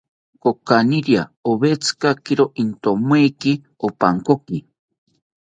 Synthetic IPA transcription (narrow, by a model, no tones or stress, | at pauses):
kokaniɾjaoβet͡sʰɨ̥kakiɾoʔint̪omweki | opa̰ŋkoki